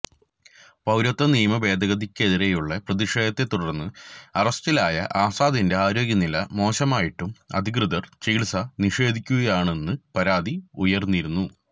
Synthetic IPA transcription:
pɐwɾɐt̪ːɐniːɐmɐbe̞ːd̪ʱɐɣɐðikʲːe̞ðiɾe̞juɭːɐprɐðiʂeːd̪ɐt̪ːe̞t̪ːuɽɐrnːɨɐrɐst̪ilaːjɐ̰ʔaːsaːd̪inde̞aːɾo̞ːɡʲjɐnilɐmo̞ːɕɐmaːjiʈːumɐ̰d̪ʱikrɨðɐrt͡ɕiːɭsɐniʂe̞ːd̪ʱikʲːuɣɐjaːɳe̞nːɨpɐɾaːd̪iujɐrnːiɾunːu

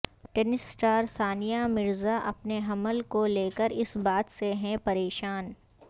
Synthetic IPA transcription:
ʈɛnɪsʈaːɾsaːnijamɪɾzaʔɐpneɦɐməlkoleːkəɾɪsbaːt̪seɦɛ̃pɐɾeːʃaːn

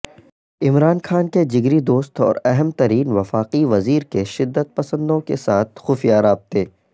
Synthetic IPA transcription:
ɪmɾaːnxaːnked͡ʒɪɡɾid̪oːst̪ɔ̰ːɾɛɦɛmt̪ɐɾiːnʋɐfaːqiʋɐziːɾkeʃɪd̪ːət̪̚pɐsə̃nd̪õkesaːt̪̚ʰxʊːfijaɾaːb̚t̪eː

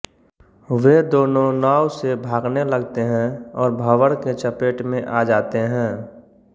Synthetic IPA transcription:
ʋed̪oːnõnaːwsebʱaːɡneləɡt̪eɦɛ̃ɔːɾbʱəʋəɽket͡ʃəpeːʈmẽʔaːd͡ʒaːt̪eɦɛ̃ː

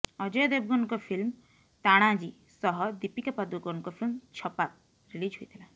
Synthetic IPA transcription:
ɔd͡ʒɔjɔd̪eb̚ɡɔnɔkɔpʰilm | t̪aɽ̃ad͡ʒi | sɔɦɔd̪ipikapad̪uɡɔnɔkɔpʰilmt͡ʃʰɔpak̚ | ɾilid͡ʒɦojt̪ʰila

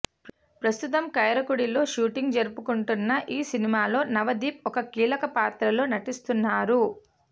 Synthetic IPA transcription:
pɾɐst̪ut̪ɐmkɐjɐɾɐkuɽilo̞ːʃuːʈiŋɡd͡ʒɐɾupukuɳʈunːɐʔiːsinimaːlo̞ːnɐʋɐd̪iːp̚ɔkɐkiːlɐkɐpaːt̪ɾɐlo̞ːnɐʈist̪unːaːɾu

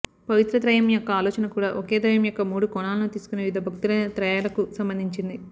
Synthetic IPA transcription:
pɐʋit̪ɾɐt̪ɾɐjɐmjɔkːɐaːlɔːt͡ʃɐnɐkuːɽaːʔɔkeːd̪ɐjɐmjɔkːɐmuːɽukɔɳaːlɐnut̪iːsu̥kunːeʋid̪ʱɐbʱɐk̚t̪ulɐɐt̪ɾɐjaːlɐkusɐmbɐnd̪ʱiɲt͡ʃind̪i

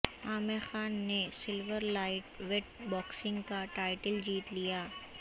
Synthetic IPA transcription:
aːmexaːnːesɪlʋəɾlaːɪʈʋɛʈ̚bɔːksɪ̃ŋɡkaʈaːɪʈəld͡ʒiːt̪lijaː

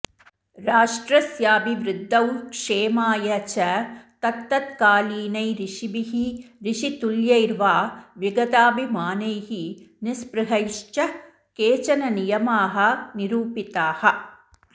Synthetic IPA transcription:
ɾaːʂʈɾɐsjaːbʱiʋɾɪd̪ʱːɐwkʂeːmaːjɐt͡ʃɐt̪ɐt̪ːɐt̪kaːliːnɐjɾiʂibiɦiɾiʂit̪uljɐjɾʋaːʋiɡɐt̪aːbʱimaːnɐjɦinɪspɾɪɦɐjʂt͡ʃɐ | keːt͡ʃɐnɐnijɐmaːɦɐ̆niɾuːpit̪aːhɐ

